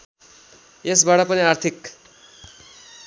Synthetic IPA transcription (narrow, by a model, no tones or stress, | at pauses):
esbaʈʌpʌniart̪ʰik